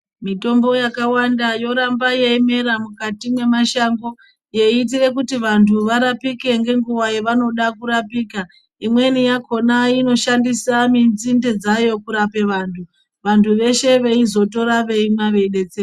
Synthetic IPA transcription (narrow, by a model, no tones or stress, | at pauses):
mito̞mbo̞jakawandajo̞ɾambajeime̞ɾamukatimwe̞maʃaŋɡo̞ | je̞iːt̬ire̞kutiʋantʰuʋaɾapike̞ŋɡe̞ŋɡuʋajeʋano̞ɗakuɾapiːka | imwe̞nijako̞naino̞ʃandisaminzinde̞d͡zajo̞kuɾape̞ʋaːntʰu | ʋantʰuʋe̞ʃe̞ʋe̞izo̞to̞ɾaʋe̞imwaʋe̞ɗe̞t͡seː